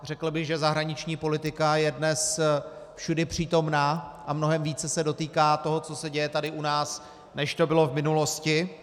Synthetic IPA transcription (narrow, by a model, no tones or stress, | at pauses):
r̝ɛkl̩bɪɣʒɛzaɦɾaɲɪt͡ʃɲiːpo̞lɪt̪ɪkajɛdnɛs | fʃudɛpr̝̥iːt̪o̞mnaːʔamno̞ɦɛmviːt͡sɛsɛdot̪iːkaːt̪o̞ɦo̞t͡so̞sɛɟɛjɛt̪adɪʔunaːs | nɛʃt̪o̞bɪlo̞vmɪnulo̞scɪ